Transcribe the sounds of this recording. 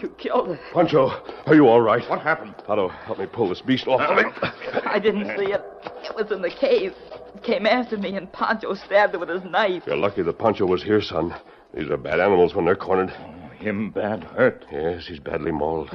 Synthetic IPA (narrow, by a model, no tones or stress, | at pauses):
jɨkʰɪlˠdɪpʰɑ̃nt͡ʃoʊə˞jəɔlˠɹaɪt̚wʌt̚hæpn̩d̥pʰɑɾoʊhɛt̚mipʰʊlˠðəsb̥istɔfʌvɪ̃aɪdɪdⁿn̩tsiɪɾɨʔ̚wʌzɨ̃nðɨkʰeɪskʰẽɪ̃mæftə˞miɨ̃npʰɑ̰̃nt͡ʃoʊstæb̚d̚wəð̥ɨznaɪfjə̰˞lʌkiðət̚pʰɑ̃nt͡ʃoʊwʌz̥hiɹsʌ̃n | ðḭzə̰˞bæ̰ɾænəml̩ˠzwə̃nðə˞kʰɔɹnəd̥ohɪ̃mbædhɜ˞t̚jɛshizbæ̰dˡlimɔlˠd̥